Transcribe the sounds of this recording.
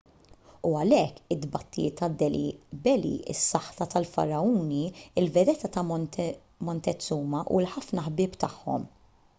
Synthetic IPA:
uɐlɛkːɪd̪bɐt̪ːijɪ̰t̪ːɐd̪ːɛlḭbɛlḭɪ̰sːɐħt̪ɐt̪ɐlfɐ̰ɾɐuːniɪlvɛd̪ɛt̪ɐt̪ɐ | mɔnt̪ɛt͡sːuːmɐʔṵlħɐfnɐħbɪːpt̪ɐħːɔ̰m

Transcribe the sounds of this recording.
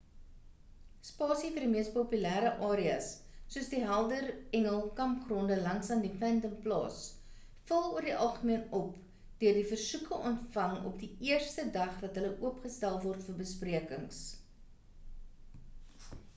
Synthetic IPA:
spɑːsifərdimiəstpopylæːɾəʔɑːɾiɐ̰sː | uəsdiɦælˠdərɛŋəlˠkɐmpχrɔndəlɐŋsɐndipɛntəmplɑ̰ːs | fəlˠuərdiʔɐlˠχəmiənɔp | d̥øərdifərsukəʔɔntfɐŋɔ̰pdiiərstədɐχvɐtɦələʔuəpχəstælˠvɔrtfərbəspriəkəŋs

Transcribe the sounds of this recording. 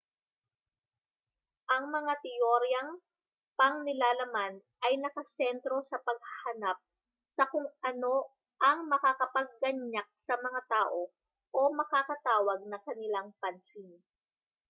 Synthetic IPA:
ʔɐŋmɐŋat̪ɪjoɾjɐŋ | pɐŋnɪlaːlɐmanʔɐjnɐkɐsɛnt̪ɾo̞sɐpɐɡ̚hɐhɐnap̚ | sɐkʊŋʔɐno̞ | ʔɐŋmɐkakɐpɐɡ̚ːɐɲːak̚sɐmɐŋat̪aːʔo̞ | ʔo̞mɐkakɐt̪aːwɐɡ̚nɐŋkɐnɪlaŋpɐnsin

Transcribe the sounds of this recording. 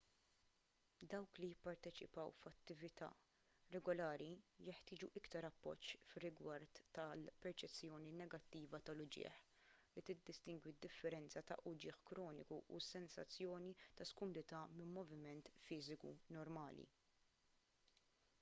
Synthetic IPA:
d̪ɐwklijɪpːɐɾt̪ɛt͡ʃɪpɐwfɐt̪ːɪvɪt̪ɐ̰ː | ɾɛɡɔlɐːɾijɛħt̪ɪːd͡ʒuʔɪkt̪ɐɾɐpːɔ̰t͡ʃːfɪrːɪɡwɐɾt̪ːɐlpɛɾt͡ʃɛt͡sːjɔːninɛɡɐt̪ːiːvɐt̪ɐlʊd͡ʒɪ̰ːħ | lit̪ɪd̪ːɪst̪ɪŋɡwid̪ːɪfːɛɾɛnt͡sɐt̪ɐ̰ʔʊd͡ʒɪːħkɾɔːnɪkuʔṵsɛnsɐ̰t͡sːjɔːnit̪ɐskɔmʊd̪ɪt̪ɐmɪmmːɔvɪmɛnt̪fɪːzɪkṵnɔɾmɐːlḭ

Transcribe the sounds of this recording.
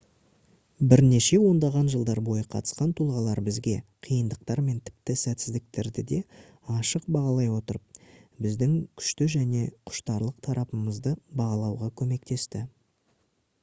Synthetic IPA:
bɪɾne̞ʃe̞wo̞nd̪ɑʁɑnʒəlˠd̪ɑɾbo̞jəqʰɑ̰t̪ə̥sqɑnt̪ʰulˠʁɑlˠɑɾbɪzɡʲe̞qʰijənd̪əq̚t̪ɑɾme̞nt̪ʰɪ̥pt̪ɪsæt̪sɪzd̪ɪk̚t̪e̞ɾd̪ɪd̪e̞ | ɑʃəqbɑʁɑlˠɑjwo̞t̪əɾəp̚bɪzd̪ɪŋkʲʰʏ̥ʃt̪ɪʒæne̞qʰʊ̥ʃt̪ɑɾlˠəq̚t̪ʰɑɾʔɑpəməzd̪əbɑʁɑlˠɑwʁɑkʲʰɵme̞k̚t̪e̞st̪ɪ

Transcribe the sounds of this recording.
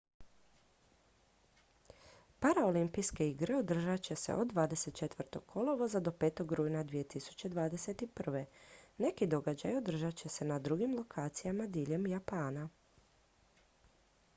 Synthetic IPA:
paɾaolimpijske̞iɡɾe̞od̪r̩ʒat͡ɕe̞se̞̰ʔo̞d̪ʋaːd̪e̞se̞t̪̚t͡ʃe̞t̪ʋr̩t̪o̞ɡkʰolˠoʋozad̪o̞pe̞ːt̪o̞ɡɾuːjnad̪ʋije̞t̪isu̥t͡ɕe̞d̪ʋaːd̪e̞set̪ipr̩ʋe̞ne̞kid̪o̞ɡad͡ʑajo̞d̪r̩ʒat͡ɕe̞se̞nad̪ɾuɡimlˠo̞kʰaːt̪sijamad̪iʎe̞mjapaːna

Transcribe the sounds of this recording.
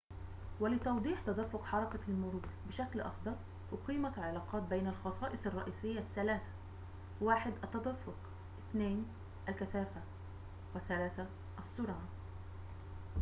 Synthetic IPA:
wɪlɪt̪ɑwd̪ˤiːħt̪ɑd̪æfːʊqħɑɾˤɑkalmʊɾuːɾbɪʃæklʔɑ̰xd̪ˤɑɾˤ | ʔʊqiːmaʕɪlɑːqɑːt̪̚bejnalxɑsˤɑːʔɪsˤɑrˤːɑ̰ʔiːsɪjːaʔsːælaːθḁ | waːħɪd̪ʔæt̪ːɑd̪æfːʊq | ʔɪθneːn | ʔælkæθaːfa | wɪθːælæːθa | ʔɑsːʊɾʕa

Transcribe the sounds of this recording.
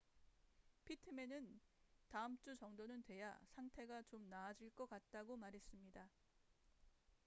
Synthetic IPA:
pʰitʰɯme̞nɯntaɯmt͡ɕ͈ut͡ɕʌŋdonɯntwe̞ja̰sʰaŋtʰe̞ɡat͡ɕomnaːd͡ʑiɭk͈ʌk͈at̚t͈aɡomaɾɦe̞s͈ɯmɲida

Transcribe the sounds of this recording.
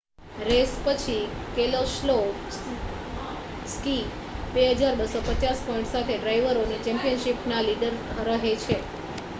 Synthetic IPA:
ɾespət͡ʃʰikeloslo | ski | beɦəd͡ʒaɾbəsopət͡ʃaspɔiɳʈsat̪ʰeɖɾaiʋəɾonit͡ʃɛ̃mpijənʃipnaliɖəɾːəɦet͡ʃʰe

